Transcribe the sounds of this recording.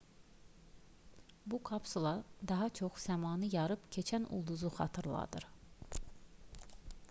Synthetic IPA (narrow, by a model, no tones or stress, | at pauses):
bukʰɑpsulˠɑd̪ɑɦɑt͡ʃʰo̞χsæmɑːnɯjɑɾɯpcʰe̞t͡ʃʰænʔṵlˠd̪uzuχɑ̰t̪ʰɯɾlˠɑ̰d̪ɯ̰ɾ